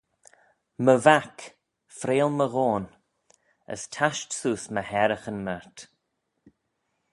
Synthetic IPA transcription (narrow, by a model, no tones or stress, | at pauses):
məvak | fɾeːlməɣoːn | ə̰stʰaʃtsuːsməhɛɾəxənmɛɹt̪